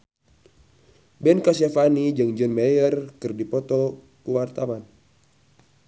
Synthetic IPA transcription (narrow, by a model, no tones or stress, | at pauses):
bɛnkasɛfanid͡ʒɨŋd͡ʒənmɛjərkɨrdipɔt̪ɔ | kuwart̪awan